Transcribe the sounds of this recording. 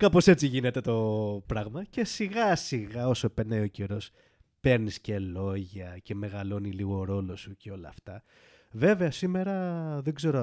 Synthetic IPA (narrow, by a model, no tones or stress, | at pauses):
kɐpo̞se̞t͡siʝine̞t̪e̞t̪o̞pɾɐɣmɐce̞siɣɐsiɣɐo̞soepenɐio̞ce̞ɾo̞s | pe̞ɾnisce̞lo̞ʝɐce̞me̞ɣɐlo̞niliɣo̞ɾo̞lo̞suceo̞lɐːft̪ɐ | ve̞ve̞ɐsime̞ɾɐðeɡze̞ɾo